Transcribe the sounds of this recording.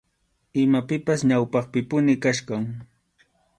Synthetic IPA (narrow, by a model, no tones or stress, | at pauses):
ɪmapɪpasɲawpɑχpɪpʊnɪkaʃkaŋ